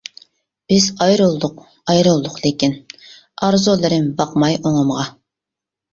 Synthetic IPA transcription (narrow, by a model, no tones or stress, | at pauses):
b̥ɪzɑjɾulˠd̪ʊq | ɑjɾulˠd̪ʊqlˠɪkʲin | ɑɾzolˠɨɾɪmbɑqmɑjoŋəmʁɑ